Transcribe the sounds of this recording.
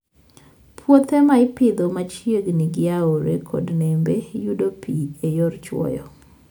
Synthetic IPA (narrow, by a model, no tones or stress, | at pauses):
pʰwot̪ʰɛmaɪpɪd̪omat͡ʃjeɡniɡɪaoɾekʰo̰dnembejudopʰiejɔrt͡ʃwɔ̰jɔ̰